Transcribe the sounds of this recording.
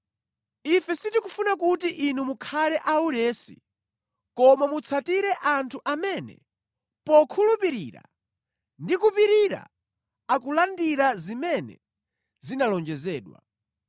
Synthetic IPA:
ifɛsitikufunakutiʔinumukʰalɛʔaulɛːsḭ | kɔmamut͡sʰatiɾɛʔantʰuʔamɛnɛ̰ | pɔkʰulupiɾiːɾa̰ | ndikupiɾiɾa̰ | akulandiɾazimɛnɛ̰ | zinalɔnd͡ʒɛzɛːɗwa̰

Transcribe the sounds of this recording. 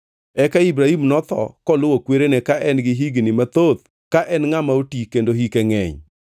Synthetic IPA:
ɛkaibɾahimnɔt̪ɔ̰kɔlʊwokweɾenɛkaʔɛnɡɪɦiɡnɪmat̪ot̪ | kaʔɛnŋamaotikendoɦikɛŋɛ̰ɲ

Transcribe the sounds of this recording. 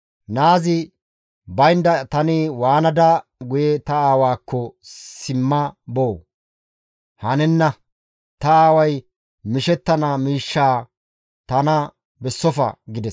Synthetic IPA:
naːzɪ | bɐjnd̪ɐt̪ɐnɪwaːnɐd̪ɐɡʊjɛt̪ɐaːwaːkʰːɔsɪmːɐboː | hɐnɛnːɐ | t̪ɐaːwɐj | mɪʃɛt̪ːɐnaːmiːʃːaː | t̪ɐnɐ | bɛsːɔfɐ̰ɡɪd̪ɛs

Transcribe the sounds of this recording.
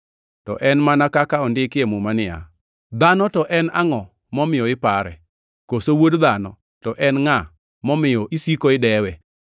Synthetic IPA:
tɔ̰ʔɛnmanakakaɔndɪkɪemʊmanɪa̰ | d̪anɔtɔʔɛna̰ŋɔ | mɔmɪjɔɪpaɾɛ̰ | kosowodd̪anɔ | tɔʔɛnŋa | mɔmɪjɔʔisikoɪdɛwɛ

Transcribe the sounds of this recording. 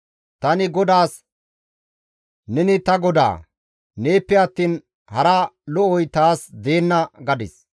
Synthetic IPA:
t̪ɐnɪɡɔd̪aːs | nɛnɪt̪ɐɡɔd̪a̰ː | neːpːɛɐt̪ːiːn | hɐɾɐlɔʔɔjt̪aːsd̪e̞ːnːɐɡɐd̪ɪs

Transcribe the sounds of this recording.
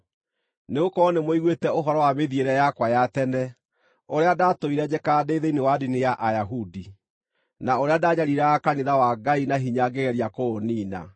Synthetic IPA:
neɣokɔnemoiɣwetɛoɦɔɾɔwameðieɾɛjakwajatɛnɛ | oɾeadatoiɾɛd͡ʑekadeiðeinewadinejaʔajaɦudi | naoɾeadaɲaɾiɾɛakaniðawaɡainaɦiɲaɡeɣɛɾiakoːniːna̰

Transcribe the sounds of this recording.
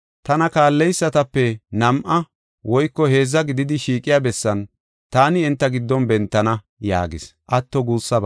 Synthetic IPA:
t̪ɐnɐkaːlːɛjsːɐt̪ɐpːɛnɐmʔɐ | wɔjkːɔhe̞ːzːɐɡɪd̪ɪd̪ɪʃiːkʼːɪjaːbɛsːɐn | t̪aːnɪːnt̪ːɐɡɪd̪ːɔnbɛnt̪ːɐnɐ | ja̰ːɡɪsʔɐt̪ːɔɡuːsːɐb

